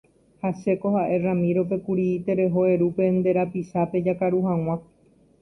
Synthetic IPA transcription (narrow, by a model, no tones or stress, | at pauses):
hase̞kohaʔe̞ramĩɾope̞kuɾiit̪e̞ɾe̞ɦo̞e̞ɾupe̞nd̪e̞ɾapiʃape̞d͡ʒakaɾuɦãw̃ã